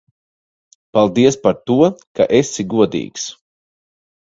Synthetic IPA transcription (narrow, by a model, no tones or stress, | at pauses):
palˠd̪iɛspaɾt̪uɔka̰ʔesiɡuɔd̪ḭːks